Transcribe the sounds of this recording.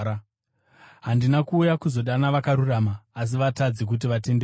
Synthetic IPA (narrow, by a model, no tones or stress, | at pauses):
a | ɦandinakuːjakuzo̞ɗanaʋakaɾuramaːs̬iʋatad͡zek̬ut̬iʋate̞mbe